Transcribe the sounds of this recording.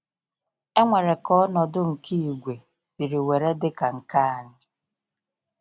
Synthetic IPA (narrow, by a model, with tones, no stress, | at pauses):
e˦ŋʷe˨ɾe˨kɔ˦nɔ˨dʊ˦ŋ̩˨ki˦i˨ɡʷe˨ | si˨ɾi˨we˨ɾe˦dɪ˦ka˨ŋ̩˨ka˦a˨ɲɪ˦